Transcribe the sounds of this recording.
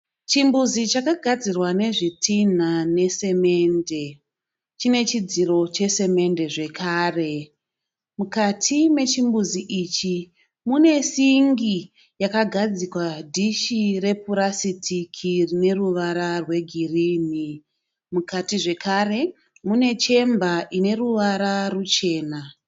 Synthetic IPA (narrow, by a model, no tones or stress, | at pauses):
t͡ʃimbuzit͡ʃakaɡʱad͡zirwane̞ʐitin̤ane̞se̞me̞nde̞ | t͡ʃine̞t͡ʃid͡ziro̞t͡ʃe̞se̞me̞nde̞ʐe̞kaːre̞ | mukatʰime̞t͡ʃimbuziʔit͡ʃi | mune̞siŋɡi | jakaɡʱad͡zikwadʱiʃire̞puɾasitʰikʰirine̞ruʋaɾarwe̞ɡʱiriːni | mukatiʐe̞kʰare̞ | mune̞t͡ʃe̞mbaʔine̞ruʋaɾarut͡ʃe̞ːna